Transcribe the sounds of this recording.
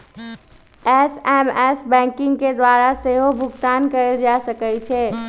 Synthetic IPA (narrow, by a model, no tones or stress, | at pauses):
ɛsɛːmɛːsbɛ̃ːŋkɪ̃ŋɡked̪waːɾaseɦobʱʊɡt̪aːnkəɾed͡ʒaːsəkət͡ʃʰeː